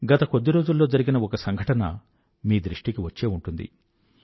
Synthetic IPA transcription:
ɡɐt̪ɐko̞d̪ːiɾo̞ːd͡ʒulːo̞ːd͡ʒɐɾiɡinɐɔkɐsɐŋɡʱɐʈɐnɐ | miːd̪ɾiʂʈikiʋɐt͡ʃːe̞ːuɳʈund̪ḭ

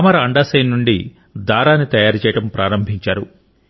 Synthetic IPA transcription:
ɐmɐɾɐɐɳɖaːsɐjnːuɳɖi | d̪aːɾaːnːit̪ɐjaːɾt͡ʃɛːjɐʈɐmpɾʔaːɾɐmbʱiɲt͡ʃaːɾu

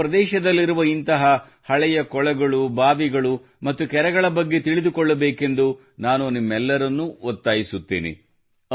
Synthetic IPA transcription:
ɾɐd̪ɛːʃɐd̪ɐlːiɾuʋɐint̪ɐɦɐ | hɐɭɛjɐkɔɭɐɡɐɭubaːʋiɡɐɭu | mɐt̪ːukɛɾɐɡɐɭɐbɐɡːe̞t̪iɭid̪ukɔɭːɐbeːke̞nd̪u | naːnunimːɛlːɐɾɐnːuɔt̪ːaːjisut̪ːḛːnḭ

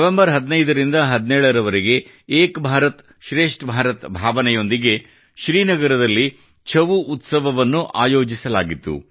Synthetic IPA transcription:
ɐʋembɐɾɦɐd̪nɐjd̪ɐɾind̪ɐɦɐd̪nɛːɭɐɾɐʋɐɾiɡe̞ | eːkbʱaːɾɐt̪ | ʃɾe̞ːʂʈbʱaːɾɐt̪bʱaːʋɐnɛjo̞nd̪iɡe̞ | ʃɾiːnɐɡɐɾɐd̪ɐlːi | t͡ʃʰɐʋuut̪sɐʋɐʋɐnːuʔaːjo̞ːd͡ʒisɐlaːɡit̪ːṵ

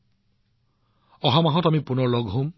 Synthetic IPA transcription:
ɔɦamaɦɔtamipunɔɹlɔɡɦom

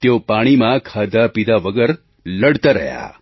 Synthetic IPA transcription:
t̪jopaɽ̃imãkʰad̪apid̪ʱaʋəɡəɾ | ləɽt̪aɾə̰ɦja̰

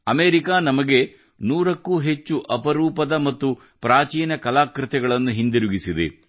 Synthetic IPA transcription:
ɐmeːɾikaːnɐmɐɡe̞ | nuːɾɐkːuːɦet͡ʃːuʔɐpɐɾuːpɐd̪ɐmɐt̪ːu | pɾaːt͡ʃiːnɐkɐlaːkɾɪt̪ɛɡɐɭɐnːuɦind̪iɾuɡisid̪ḛ

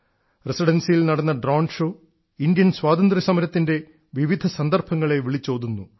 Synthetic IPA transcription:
resiɽɐnsijilnɐɽɐnːɐɖroːɳʂoː | indjɐnswaːd̪ɐnd̪ɾɐsɐmɐɾɐt̪ːinde̞ | ʋiʋid̪ʱɐsɐnd̪ɐrbʰɐŋːɐɭe̞ʋiɭit͡ɕːo̞ːd̪unːu

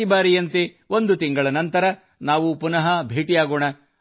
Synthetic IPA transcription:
ibaːɾijɐnt̪e | o̞nd̪ut̪iŋɡɐɭɐnɐnt̪ɐɾɐ | naːʋupunɐɦɐbʱeːʈijaːɡoːɳɐ

